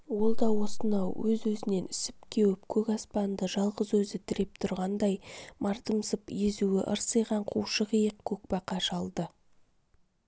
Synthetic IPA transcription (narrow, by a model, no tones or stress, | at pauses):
wo̞lˠd̪ɑwo̞sənɑwwɵzwɵzɪne̞nɪsɪp̚kʲʰe̞wɪpkʲʰɵkʲɑspɑnd̪əʒɑlˠʁəzwɵzɪt̪ʰɪɾe̞p̚t̪ʰʊɾʁɑnd̪ɑjmʔɑɾt̪əmsəpjezuɪʔə̰ɾsəjʁɑɴqʰuwʃəʁijəq̚kʰʲːɵk̚pɑqʰɑʃɑlˠd̪ə